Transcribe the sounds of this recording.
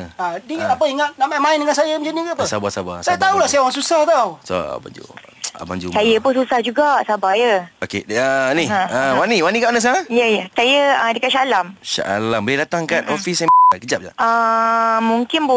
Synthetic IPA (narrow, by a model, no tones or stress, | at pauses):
adiat̪apəiŋat̪̚naʔmamaɪndəŋansajəmd͡ʒənikəpəsabasaba̰sajat̪aulahsajaoɾaŋsusaht̪awso̰a̰ba̰ɲd͡ʒṵ | a̰ba̰ɲd͡ʒṵsajəpʊnsusahd͡ʒuɡaʔsabajəokḛəniəwaniwanĩkaʔanəs̬aŋajəjəsajəədəkatʃalamʃa̰ʔa̰lambəledat̪aŋkat̪ofisamkəd͡ʒap̚d͡ʒa̰ə | mũŋkɪnbu